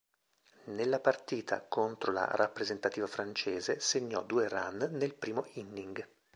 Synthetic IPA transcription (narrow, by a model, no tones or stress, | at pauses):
nelːapart̪iːt̪ʰa̰kont̪ɾola̰rapːɾezent̪at̪iːvafɾant͡ʃeːzeseɲːɔd̪uːeranːelpɾiːmoʔinːiŋɡ